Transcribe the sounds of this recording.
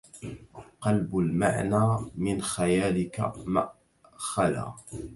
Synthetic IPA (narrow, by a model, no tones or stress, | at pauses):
qɑlbʊlma̰ʕnaːmɪnxajaːlɪka̰maʔ | xala̰ː